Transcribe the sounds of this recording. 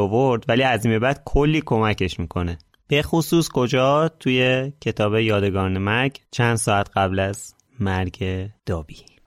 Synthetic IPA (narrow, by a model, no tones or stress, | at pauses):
ovoɾd̪væliːæziːmebæd̪̥̚kʰolːiːkʰo̞mæce̞ʃmiːkʰo̞ne | b̥e̞xosuːskʰo̞d͡ʒɒːt̪ʰuje̞cʰe̞t̪ʰɒːbe̞jɒːd̪e̞ɡɒːnemæɾɟt͡ʃʰænd̪sɒːæt̪ɢæblæz̥ | mæɾɟed̪̥ɒːb̥iː